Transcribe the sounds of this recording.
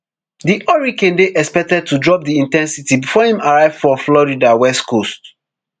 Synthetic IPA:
diʔɔɹikɛ̃ndeʔɛkspɛk̚tɛd̚tʰudɹɔp̚diĩntɛ̃nsitibifɔhĩmaɹaɪvdfɔflɔɹidawɛstkost

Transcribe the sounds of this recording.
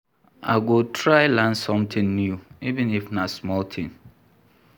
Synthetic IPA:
ʔa̰ɪɡotʰɹaɪlãnsɔ̃mtʰɪ̃nnjuivɪ̃nifnasmɔltʰɪ̃n

